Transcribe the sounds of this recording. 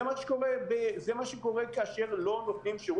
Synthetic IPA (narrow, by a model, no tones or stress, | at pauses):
maʃe̥ko̞ʁebezemaʃeko̞ʁe̞kaaʃe̞ʁlo̞nofnimʃeʁ